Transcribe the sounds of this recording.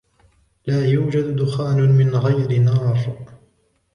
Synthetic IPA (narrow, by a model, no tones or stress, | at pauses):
laːjuːd͡ʒad̪d̪ʊxaːnʊmɪnɣajɾɪnɑːɾˤ